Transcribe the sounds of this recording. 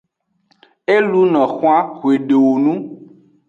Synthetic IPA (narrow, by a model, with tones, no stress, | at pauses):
e˦lu˦nɔ̃˨xwa˦xwe˨ɖe˨wo˨nũ˦